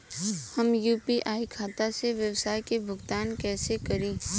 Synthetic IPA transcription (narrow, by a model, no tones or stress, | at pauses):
hɐmjuːpiʔaːikʰaːt̪aseʋjəwsaːjkebʱʊɡt̪aːnkɛːsekɐɾẽː